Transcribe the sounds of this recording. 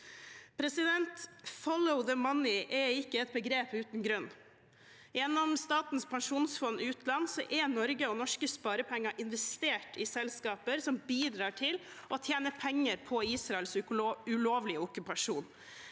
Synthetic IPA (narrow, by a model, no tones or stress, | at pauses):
pʰɾɛsɪd̪ɛnt̪fɔlɔʊðəmɑnɪʔɛɪkːəɛt̪̚bəɡɾeːpʉːt̪nɡɾœnː | jɛnːɔmst̪ɑːt̪n̩spʰɑŋʂuːnsfɔnːɪʉːt̪lɑnsɔ̰ʔɛnɔɾɡəɔnɔʂkəspɑːɾəpʰɛŋːɑʔɪnʋɛst̪eːʈʰɪsɛlskɑːpəɾsɔmbiːd̪ɾɑːʈʰɪlʔɔt̪ʰjeːnəpʰɛŋːəɾpʰɔiːsɾɑɛlsʉloːʋlɪʊkʉpɑʂuːn